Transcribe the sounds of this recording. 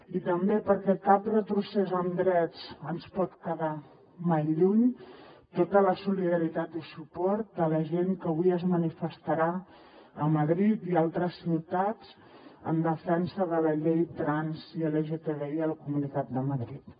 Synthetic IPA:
it̪əmbepəɾkɛkap̚d̪ət̪ɾusɛzənd̪ɾɛt͡sənspɔt̪kəða | majʎuɲt̪ot̪ələsuliðəɾit̪at̪isupɔɾt̪̚ələʒeŋkəβuijəzmənifəst̪əɾa | əməðɾit̪ialˠt̪ɾəsːiwt̪at͡s | ə̰nd̪əfɛnsəðələʎejt̪ɾanziəleʒet̪eβeiəlkumunit̪at̪̚d̪əməðɾit̪

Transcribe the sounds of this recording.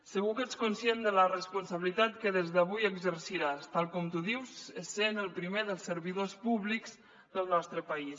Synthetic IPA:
səɣuket͡skunsjend̪ələrəspunsəβilit̪at̪kəðezðəβujəɡzərsiɾast̪alˠkɔmt̪uðiwzəsenəlˠpɾimeðəlˠsəɾβiðospuβlikz | ðəlˠnɔst̪ɾəpəis

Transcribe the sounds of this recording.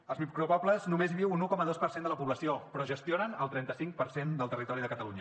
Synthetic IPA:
əlˠzmikɾuβabləznumezβiwunukɔməðospərsend̪ələpuβləsiopɾɔʒəst̪ionənəlˠt̪ɾɛnt̪əsiŋk̚pəɾsend̪əlˠt̪ərit̪ɔɾiðəkət̪əluɲə

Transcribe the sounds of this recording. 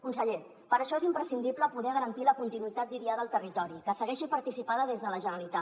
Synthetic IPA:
kunsəʎe | pəɾəʃɔezimpɾəsind̪ipləpuðɛɣəɾənt̪iləkunt̪inuit̪at̪̚d̪iɾiaðəːlˠt̪ərit̪ɔɾikəsəɣɛʃipəɾt̪isipaðəðezðələʒənəlit̪a

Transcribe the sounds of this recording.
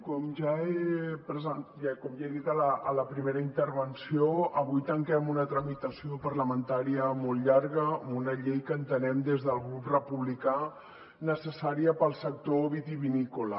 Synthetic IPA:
kɔmʒaepɾəzən | kɔmʒaðit̪ələːləpɾimeɾəint̪əɾβənsioəβujt̪əŋkɛmunət̪ɾəmit̪əsiopərləmənt̪aɾiəmolˠʎaɾɣəmunəʎejkəːnt̪ənɛmd̪ezðəlˠɣɾuprəpuβlika | nəsəsaɾiəpəlˠsək̚t̪oβit̪iβinikulə

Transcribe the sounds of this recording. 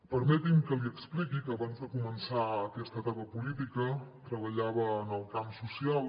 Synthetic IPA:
pəɾmɛt̪imkəliəksplikikəːβanzðəkumənsaəkɛst̪ət̪apəpulit̪ikət̪ɾəβəʎaβəːnəlˠkamsusial

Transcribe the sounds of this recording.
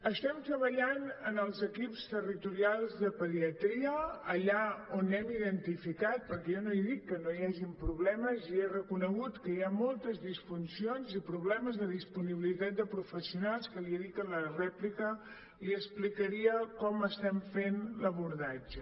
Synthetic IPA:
əst̪ɛmt̪ɾəβəʎanənəlˠzəkipst̪ərit̪uɾialˠzðəpəðiət̪ɾiəːʎaonːɛmiðənt̪ifikat̪̚pəɾkɛjɔnoiðikːənojaʒimpɾuβlɛməzierəkunəɣut̪kəjamɔlˠt̪əzðisfunsionzipɾuβlɛməzðəðispuniβilit̪at̪̚d̪əpɾufəsiunalˠskəliəðikənlərɛplikə | liəsplikəɾiəkɔməst̪ɛmfenləβuɾðad͡ʒə

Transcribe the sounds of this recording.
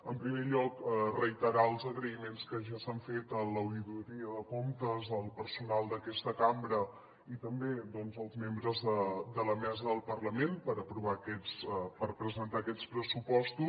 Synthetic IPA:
əmpɾimeʎɔkrəjt̪əɾaəlˠzəɣɾəimenskəʒasaɱfet̪ələwðit̪uɾiəðəkomt̪əzəlˠpəɾsunalˠd̪əkɛst̪əkambɾə | it̪əmbed̪ɔnzəlˠzmembɾəzðəd̪ələmɛzəðəlˠpərləmenpəɾəpɾuβ̞akɛt͡spəɾpɾəzənt̪aəkɛt͡spɾəsupɔst̪u

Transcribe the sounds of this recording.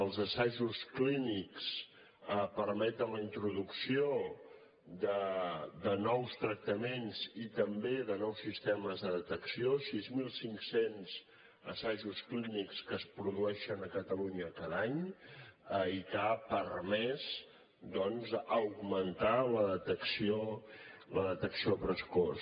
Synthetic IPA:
əlˠzəsaʒuskliniks | əpəɾmɛt̪̚d̪ələint̪ɾuðuksio | d̪əd̪ənɔwst̪ɾək̚t̪əmenzit̪əmbeðənɔwsːist̪ɛməzðəðət̪əksiosizmilˠsiŋksenz̥ | ə̰saʒusklinikskəspɾuðuɛʃənəkət̪əluɲəkaðaɲ | əikapərmɛz | d̪ɔnzəwɡmənt̪aləðət̪əksio | ləðət̪əksiopɾəsko

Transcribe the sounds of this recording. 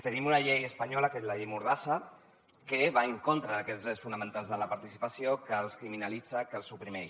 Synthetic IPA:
t̪ənimunaʎejəspaɲɔləkezlaʎejmuɾðasə | keβaəŋkont̪ɾəðəkɛzesfunəmə̃nt̪alˠzðələpaɾt̪isi̥pəsijokəːlˠskɾiminəlid͡zəkəlˠsupɾimɛ

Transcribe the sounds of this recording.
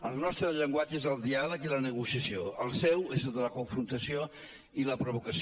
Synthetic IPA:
əlˠnɔst̪ɾəʎəŋɡwad͡ʒəezəlˠd̪ialəkilənəɣusiəsioəlˠsɛwezəlˠd̪ələkuɱfɾunt̪əsio | iləpɾoβukəs

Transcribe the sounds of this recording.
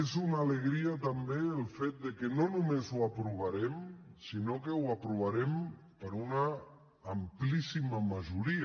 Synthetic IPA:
ezunaleɣɾiat̪ambeəlˠfet̪̚d̪əkenonumezuapɾuβ̞aɾɛmsinokewapɾuβaɾɛm | pəɾunaː | mplisiməmaʒuɾi

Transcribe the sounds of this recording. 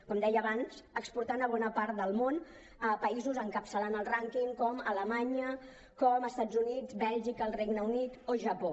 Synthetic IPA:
kɔmd̪ɛjəːβansəkspuɾt̪anəβ̞ɔnəpaɾt̪̚d̪əlˠmon | əpəizuzəŋkəpsəlanəlˠraŋkiŋkɔmələmaɲə | kɔməst̪ad͡zunid͡zbɛlˠʒikəlˠreɡnəunit̪oʒəpo

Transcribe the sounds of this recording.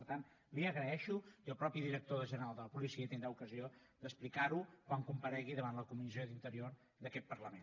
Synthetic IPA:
əɾt̪an | liəɣɾəɛʃuiəlˠpɾɔpiðiɾək̚t̪oðəʒənəɾalˠd̪ələpulisiət̪ind̪ɾaukəzio | d̪əsplikaɾukwaŋkumpəɾɛɣiðəβanləkumizijoðint̪əɾior | ðəkɛt̪̚pərləmen

